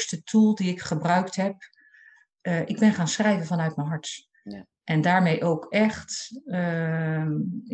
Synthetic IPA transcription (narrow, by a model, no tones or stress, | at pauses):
stətʰulˠdiɪkχəbrœɥktɦɛp̚ | ʔɪɡ̚bɛnχaːnsχrɛjvənvɑnœɥtmənɦɑɹt | ʔɛndaːɹmejʔowkɛχt